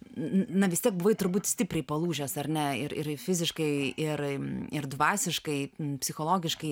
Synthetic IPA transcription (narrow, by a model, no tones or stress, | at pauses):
nɐʋʲɪst̪ʲiɛk̚bʊʋɐɪt̪ʊɾbuːt̪ʲsʲt̪ʲɪpʲɾʲɛɪpɐlˠuːʒʲoːsɐrʲnʲɛɪɾɪɾfʲɪzʲɪʃkɐɪɪɾɪɾd̪ʋɑːsʲɪʃkɐɪpʲsʲɪxoːlˠoːɡʲɪʃkɐɪ